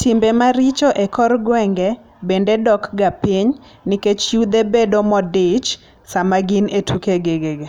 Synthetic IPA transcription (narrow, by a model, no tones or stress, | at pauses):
tʰimbemaɾit͡ʃoʔekʰɔrɡwɛŋɡɛ | bendedɔkɡapiɲ | niket͡ʃjud̪ebedomɔdɪt͡ʃ | samaɡɪnetʰukeɡeɡeɡe